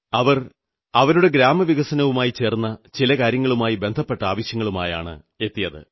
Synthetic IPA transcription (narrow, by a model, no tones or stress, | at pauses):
ɐʋɐr | ɐʋɐɾuɽe̞ɡɾaːmɐʋiɣɐsɐnɐʋumaːjit͡ɕe̞ːrnːɐt͡ɕilɐkaːɾjɐŋːɐɭumaːjibe̞nd̪ʱɐpːe̞ʈːɐaːʋɐɕjɐŋːɐɭumaːja̰ːɳɨ̰ | e̞t̪ːijɐðɨ̰